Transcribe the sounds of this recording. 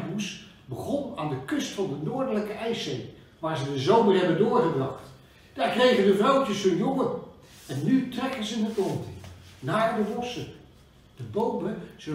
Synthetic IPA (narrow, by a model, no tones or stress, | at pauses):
bus | bəχɔna̰ːndəkʏstfɑndənʊːɹdələkəʔɛjsej | ʋaːɹzədəzowməɹɦɛbəndʊːɹχəbrɑχt | d̥aːɹkrejχədəvrowtəsənjɔŋən | ɛnːytrɛkənzənətɔntnaːɹdəbɔsə | d̥əbowməz̥ə